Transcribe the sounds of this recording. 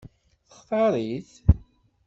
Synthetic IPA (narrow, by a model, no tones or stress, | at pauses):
θəχqɑɾˤiθ